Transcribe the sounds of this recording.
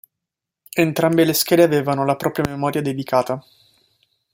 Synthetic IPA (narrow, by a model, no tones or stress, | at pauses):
ent̪ɾambelesk̟ɛːd̪eaveːvanolapɾʔɔːpɾjamemɔːɾjad̪ed̪ikaːt̪a